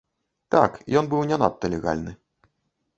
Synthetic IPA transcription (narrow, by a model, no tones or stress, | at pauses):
t̪a̰kjɔnbɨwnʲɛnat̪ːɐlʲɛɣa̰lʲnɨ